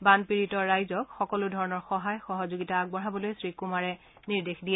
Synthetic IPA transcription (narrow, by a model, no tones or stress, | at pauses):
banpiɹitɔɹajzɔkxɔkɔlʊdʱɔɹɔnɔɹxɔɦajxɔɦɔzoɡitaːɡ̚bɔɹabɔlojsɹikumaɹɛ | niɹdexdijɛ